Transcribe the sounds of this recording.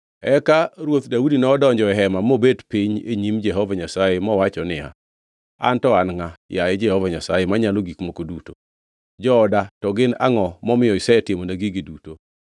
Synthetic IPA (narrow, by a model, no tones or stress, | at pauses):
ɛkaɾwot̪daudinɔːdɔɲd͡ʒɔɛɦɛmamobedpiɲḛɲimd͡ʒɛɦɔvaɲasajemɔwat͡ʃɔnɪja̰ | a̰ntɔanŋajaɛd͡ʒɛhɔvaɲasajemaɲaloɡikmokoduto | d͡ʒɔːdatɔɡɪna̰ŋɔmɔmɪjɔɪsɛɛtɪmonaɡiɡɪduto